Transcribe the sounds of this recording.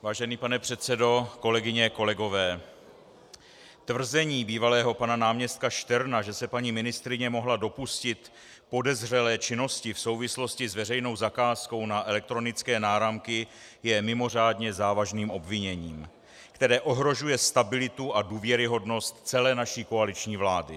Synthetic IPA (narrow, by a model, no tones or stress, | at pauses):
vaːʒɛniːpanɛpr̝̥ɛt̪sɛdo̞ko̞lɛɡɪɲɛko̞lɛɡo̞vɛː | t̪vr̩zɛɲiːbiːvalɛːɦo̞pananaːmɲɛst̪̚kaʃt̪ɛɾnaʒɛsɛpaɲiːmɪnɪst̪ɾɪɲɛmo̞ɦlado̞puscɪt̪ | po̞dɛzr̝ɛlɛːt͡ʃɪno̞scɪfso̞wvɪslo̞scɪzvɛrɛjno̞wzakaːsko̞wnaʔɛlɛk̚t̪ɾo̞nɪt͡skɛːnaːɾamkɪ | jɛmɪmo̞r̝aːdɲɛzaːvaʒniːmʔo̞bvɪɲɛɲiːm | kt̪ɛɾɛːʔo̞ɦɾo̞ʒujɛst̪abɪlɪt̪uaduːvjɛɾɪɦo̞dno̞st̪t͡sɛlɛːnaʃiːko̞alɪt͡ʃɲiːvlaːdɪ̰